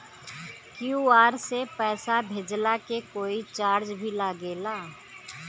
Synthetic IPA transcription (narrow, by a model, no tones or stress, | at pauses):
kjuːaːɾsepɛːsabʱeːd͡ʒlakekoːit͡ʃaːɾd͡ʒbʱilaːɡeːlaː